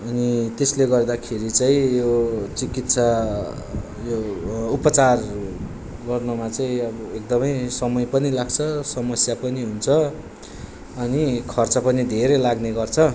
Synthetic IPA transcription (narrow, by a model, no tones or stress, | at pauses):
ʌnit̪esleɡʌrd̪akʰeɾit͡saĩjot͡sikit̪sʰa | joupʌt͡sar | ɡʌrnumat͡saĩʌbʌek̚d̪ʌmʌjsʌmʌjpʌnilaɡt͡sʰʌsʌmʌsjapʌniɦunt͡sʰʌ | ʌnikʰʌrt͡sʌpʌnid̪ʱeɾʌjlaɡneɡʌrt͡sʰʌ